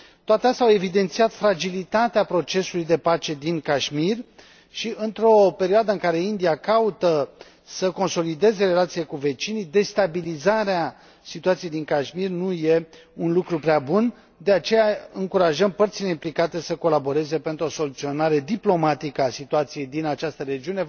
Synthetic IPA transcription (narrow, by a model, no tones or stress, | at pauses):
t̪oat̪east̪eawe̞vid̪e̞nt̪siat̪fɾad͡ʒilit̪at̪eapɾo̞t͡ʃe̞sulujd̪e̞pat͡ʃe̞d̪inkaʃmir | ʃiɨnt̪ɾo̞pe̞ɾioad̪əɨŋkaɾe̞ind̪iakaut̪ə | səko̞nso̞lid̪e̞ze̞ɾe̞lat̪siekuve̞t͡ʃinid̪e̞st̪abilizaɾea | sit̪uat̪sijejd̪iŋkaʃmirnuje̞ | unlukɾupɾeabun | d̪e̞at͡ʃe̞jaɨŋkuɾaʒəmpərt̪sile̞implikat̪e̞səko̞labo̞ɾe̞ze̞pe̞nt̪ɾo̞so̞lut̪sio̞naɾe̞d̪iplo̞mat̪ikəasit̪uat̪sije̞jd̪inat͡ʃast̪əɾe̞d͡ʒiune̞